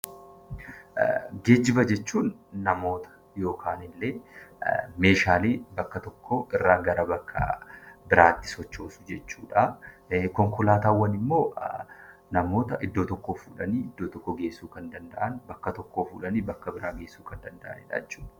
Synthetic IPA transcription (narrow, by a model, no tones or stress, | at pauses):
ɡe̞ːd͡ʒɪbɐd͡ʒɛt͡ʃːuːnːɐmo̞ːt̪ɐ̥ | jo̞ːkʰaːnɪlːeː | me̞ːʃaːleːbɐkːɐt̪ɔkːoʔɪrːaːŋɡɐɾɐbɐkːɐ̰bɪɾaːt̪ːɪ̥sɔt͡ʃːo̞ːsʊ̥d͡ʒɛt͡ʃːuːᶑɐ | kɔŋkɔlaːt̪aːwːɐnɪmːo̞ː | nɐmo̞ːt̪ɐʔɪd̪ːo̞ːt̪ɔkːoːfuːᶑɐniːɪd̪ːoːt̪ɔkːɔɡe̞ːsːuːkɐnd̪ɐnd̪ɐ̰ʔɐnbɐkːɐt̪ɔkːoːfuːᶑɐniːbɐkːɐbɪɾaːɡe̞ːsːuːkɐnd̪ɐnd̪ɐʔɐ̰nɪ̰ᶑɐ̰ɛt͡ʃːuːᶑɐ